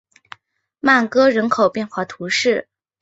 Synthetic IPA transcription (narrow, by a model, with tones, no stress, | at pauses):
ma˥˩nkɤ˥ɻə˧˥nkʰo˨˩ʊpjɛ˥˧nxwa˥˩t̪ʰu˧˥ʂɻ̩˥˩